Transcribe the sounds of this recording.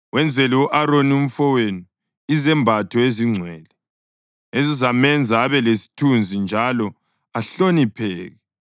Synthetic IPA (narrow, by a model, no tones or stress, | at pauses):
wɛnd͡zʱɛliwuʔaɾonium̩fɔwenu | izɛmbʱatʰɔeziŋ͡ǀʱwɛːlɛ | ezizamɛnd͡zʱaːβɛlesi̥tʰund͡zʱind͡ʒʱalɔ | aɬonipʰɛːɣɛ